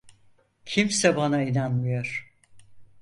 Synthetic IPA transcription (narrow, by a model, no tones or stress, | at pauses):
cʰimsɛbanainanmɯjoɾ̥